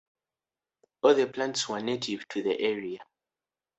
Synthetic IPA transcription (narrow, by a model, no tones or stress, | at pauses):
ɔlðəplãntswɛnetʰiv̥tʰuðə̰ʔɛɹia